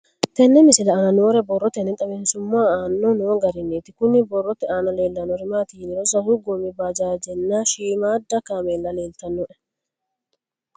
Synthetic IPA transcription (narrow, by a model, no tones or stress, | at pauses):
t̪ɛnːɛmɪsɪlɐɐnɐnoːɾɛbɔrːɔt̪ɛnɛt̪ʼɐbeːnsʊmːaːaːnːɔnoːɡɐɾɪnːeːt̪ɪkʊnɪbɔrːɔt̪ɛaːnɐle̞ːlːɐnɔɾɪmaːt̪ɪɪnɪɾɔsɐhʊɡɔmɪbad͡ʒaːd͡ʒɛnːaʃiːmaːd̪ːɐkaːmeːlːɐle̞ːlt̪ɐnːɔʔɛ